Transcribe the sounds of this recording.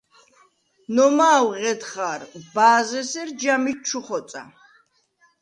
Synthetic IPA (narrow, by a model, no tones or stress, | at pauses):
nɔmaːwʁɛt̪χaːɾbaːzɛsɛɾd͡ʒamit͡ʃʰuχɔt̪sʼa̰